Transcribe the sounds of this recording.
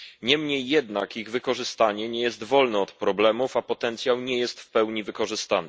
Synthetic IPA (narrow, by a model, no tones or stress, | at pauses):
ɲɛmɲejːɛd̪nakiɣvɘkɔʐɘst̪aɲɛɲɛjɛst̪vɔlnɛɔt̪pɾɔblɛmufapɔt̪ɛnt̪sʲjawɲɛjɛst̪fpɛwɲivɘkɔʐɘst̪anɛ